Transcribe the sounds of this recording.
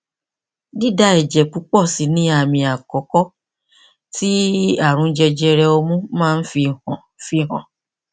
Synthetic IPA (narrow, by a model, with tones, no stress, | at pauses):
di˦˨da˦ɛ˨d͡ʒɛ˨k͡pu˨˦k͡pɔ˦˨si˨˦nĩ˦a˦˨mĩ˧a˨kɔ˨˦kɔ˦ | ti˦a˦˨ɾ̃ũ˨˦d͡ʒɛ˧d͡ʒɛ˧ɾɛ˧o˧mũ˦mãː˦˧n̩˦fi˧hɔ̃˨ | fi˧ɦɔ̃˨